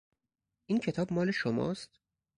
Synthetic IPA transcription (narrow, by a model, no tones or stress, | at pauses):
ʔiːncʰe̞t̪ʰɒːb̚mɒːle̞ʃomɒ̰ːst̪